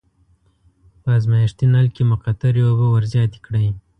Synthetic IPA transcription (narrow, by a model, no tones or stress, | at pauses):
pəazmajɪʃt̪inalkemʊqat̪aɾjobəwaɾzjɑt̪i̥kɽəj